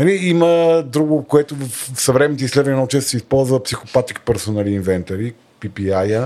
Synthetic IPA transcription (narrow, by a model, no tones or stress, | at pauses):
nɐliiməd̪ɾuɡokoɛt̪ʊvəfsɐvɾɛmɛnit̪ɛislɛd̪vɐnɛnɐʊt͡ʃɛst̪sɛispɔlˠzvəpsixopat̪ikpɛɾsonaliːnvɛnt̪ɐɾi | pipiajə